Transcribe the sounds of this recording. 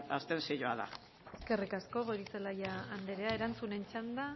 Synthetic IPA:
a̰st̪ensiʎoaða̰ | e̞ske̞rikasko̞βoɾiselajaand̪eɾe̞ae̞ɾant͡sune̞nt͡ʃand̪a

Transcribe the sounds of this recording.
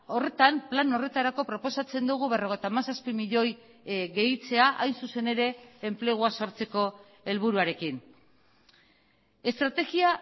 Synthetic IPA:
o̞re̞t̪amplano̞re̞t̪aɾako̞pɾo̞po̞sat͡se̞nd̪uɣ̞uβe̞ro̞ɣ̞et̪aːmasaspimiʎo̞j | ɣe̞it͡se̞aʔajnsuse̞ne̞ɾe̞ːmple̞ɣ̞uaso̞ɾt͡se̞ko̞ | e̞lβ̞uɾuaɾe̞kin | e̞st̪ɾat̪e̞ɣia

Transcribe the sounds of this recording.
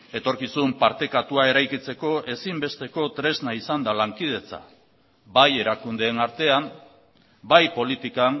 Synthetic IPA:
e̞t̪o̞ɾkisumpaɾt̪e̞kat̪uae̞ɾajkit͡se̞ko̞e̞simbe̞st̪e̞ko̞t̪ɾe̞znaisand̪alaŋkið̞e̞t͡sa̰ | baje̞ɾakund̪e̞ːnaɾt̪e̞am | bajpo̞lit̪ikam

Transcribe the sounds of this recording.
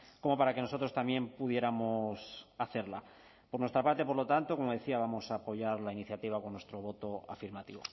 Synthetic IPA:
ko̞mo̞paɾake̞no̞so̞t̪ɾo̞st̪amje̞mpuðje̞ɾamosaθe̞ɾla̰ | poɾnwest̪ɾapaɾt̪ep̬oɾlo̞t̪ant̪o̞ko̞moð̞e̞θiaβamo̞saːpo̞ʝaɾlainiθjat̪iβ̞ako̞nːwe̞st̪ɾo̞β̞o̞t̪o̞a̰fiɾmat̪iβo̞̰

